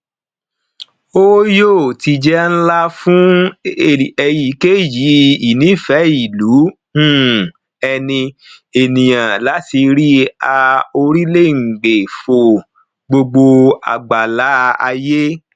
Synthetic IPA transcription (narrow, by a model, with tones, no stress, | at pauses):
o˦jo˦˨ti˧d͡ʒɛ˦n̩˦la˦fũ˦e˦˨ɛ˧ji˨˦ke˦ji˨˦i˨nĩ˨˦fɛ˨˦i˨lu˨˦ | ũ˦˨ | ɛ˧nĩ˧ | e˨nĩ˨j̃ã˨la˨˦ti˧ɾi˦a˧o˧ɾi˦le˦˨ŋ̩˨ɡ͡be˨fo˨ | ɡ͡bo˧ɡ͡bo˧a̰˨ɡ͡ba˨la˨˦a˧je˦